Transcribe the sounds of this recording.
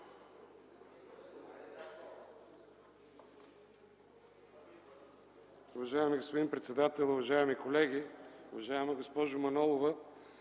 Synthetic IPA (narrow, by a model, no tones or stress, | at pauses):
ʊvɐʒaɛmiɡospod̪inpɾɛt̪sɛd̪at̪ɛlˠʊvɐʒaɛmikolɛɡ̟iʊvɐʒaɛmɐɡospɔʒʊmɐnɔlˠovə